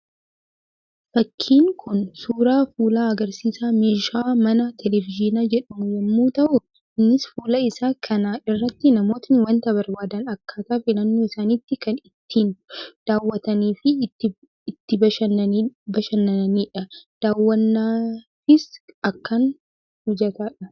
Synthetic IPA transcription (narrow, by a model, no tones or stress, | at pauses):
fɐkʰːiːŋkʰʊnsuːɾaːfuːlaːɐɡɐɾsiːsaːmeːʃaːmɐnɐt̪ʰɛlɛvɪd͡ʒɪnad͡ʒɛᶑɐmʊjɛmːuːt̪ɐʔʊ | ɪnːɪsfuːlɐɪsaːkʰɐnaːɪrːɐt̪ːɪnɐmo̞ːt̪nɪwɐnt̪ɐbɐɾbaːd̪ɐnɐkʰːaːt̪aːfɪlɐnːoːɪsaːnit̪ːɪkɐnɪt̪ːiːnd̪̥aːwːɐt̪ɐniːfɪːɪ | ɪt̪ːɪbɐʃɐnɐbɐʃɐnːɐniːᶑɐd̪̥aːwːɐnːaː | ɪsɐkːɐn | hʊd͡ʒɐt̪aːᶑɐ